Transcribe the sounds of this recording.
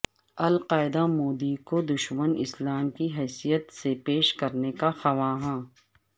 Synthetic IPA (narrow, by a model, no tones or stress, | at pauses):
ɐlqaːɪd̪amoːd̪ikod̪ʊʃmənɪ̰slaːmkiɦɛːsijət̪sepeːʃkɐɾnekaxɐʋaːɦãː